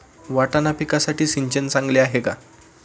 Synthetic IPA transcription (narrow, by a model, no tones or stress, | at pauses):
ʋaʈanapikasaʈiːsiɲt͡ɕənt͡sãŋɡleaɦeka